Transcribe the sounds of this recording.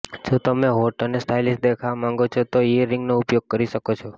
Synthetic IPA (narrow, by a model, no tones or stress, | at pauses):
d͡ʒʰõt̪əmeɦoʈənesʈʰailist̪̚d̪ekʰamãŋɡot͡ʃʰot̪oiəɾːɪ̃ŋɡnoʊpjoɡ̚kəɾiʃəkot͡ʃʰɔ